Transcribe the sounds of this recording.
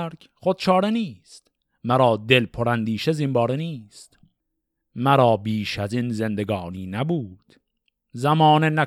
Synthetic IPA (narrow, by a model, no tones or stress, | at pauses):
ɾk | χod̪̥̚t͡ʃʰɒːɾeniːst̪ | mæɾɒːd̪e̞lpʰoɾænd̪iːʃezimbɒːɾeniːst̪ | mæɾɒːbiːʃæziːnze̞nd̪e̞ɡɒːniːnæbuːd̪̥ | zæmɒːnenæ